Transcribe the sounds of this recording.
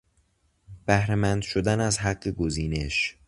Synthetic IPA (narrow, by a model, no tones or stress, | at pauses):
b̥æhɾemænd̪ʃod̪ænæzhæɢːeɡoziːne̞ʃ